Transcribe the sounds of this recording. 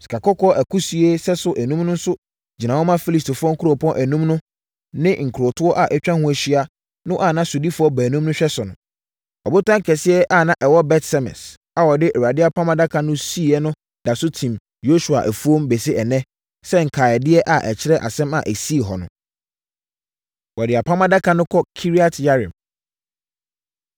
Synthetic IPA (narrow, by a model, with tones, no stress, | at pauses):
si̥˨kʰa˨kɔ˦kɔ˦ʔæ˨kʰu˦si˨˦e˦sɛ˦sʊ˨ʔæ˨nũ˦mnʊ̃˦n̩˦sʊ˦ | d͡ʑi˨nã˨wɔ˦mã˦fi˦li˨stfʊ˦ɔ˦ŋ̩˦kʰu˦ɾo˨pʰɔ̃˦nʔæ˨nũ˦mnʊ̃˦ | nɪ̃˦ŋ̩˨kʰu˨ɾo˨tʰʊ˦ɔ˦ʔa˨ʔɛ˦t͡ɕᶣã˦hũ˦æ˨ɕi˦a˨ | nʊ̃˦ʔa˦˨nã˦sʊ˨di˦fʊ˦ɔ˦bæ˨nũ˦mnʊ̃˦ɕᶣɛ˦sʊ˨nʊ̃˨ | ɔ˨bʊ˦tã˦ŋ̩˦kʰɛ˨sɪ˦ɛ˦ʔa˦˨nã˦ʔɛ˨wɔ˦bɛ˦tsɛ˦mɛ̰̃˨s | a˨wɔ˨dɪ˦ʔɛ˨wa˨dɪ˦a˦pʰã˦mã˦da˦kʰã˨nʊ̃˦si˦˨ɛ˦nʊ̃˦ | d̥a˨sʊ˦tʰĩ˨m | jo˦su˨a̰˨ʔæ˨fu˦o˦mbe˨sɪ˦ɛ˨nɛ̃˦ | sɛ˦ŋ̩˨kʰaː˨ɛ˨dɪ˦ɛ˦ʔa˨ʔɛ̰˨t͡ɕʰɪ˦ɾɛ˦ʔa̰˨sɛ̃˦ma̰˨ʔæ˨si˦e˨ɦɔ˨nʊ̰̃˨ | wɔ˨dɪ˨a˨pʰã˦mã˦da˦kʰa˨nʊ̃˦kʰɔ˦kʰi˦ɾi˦a˦tʰja˦ɾɪ̰̃˨m